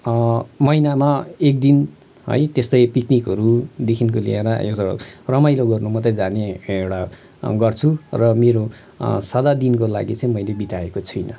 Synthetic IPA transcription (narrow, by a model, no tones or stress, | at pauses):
mʌjnamaek̚d̪in | ɦʌ̰jt̪est̪ʌjpiknikɦʌɾud̪ekʰinkolḭeɾʌḛt̪ʌɽ̰rʌmajloɡʌrnumʌt̪ʌjd͡zaneewɽa | ɡʌrt͡sʰurʌmeɾo | sʌd̪ad̪inkola̰ɡit͡sʌ̃ĩmʌjlebit̪aekot͡sʰʌjnʌ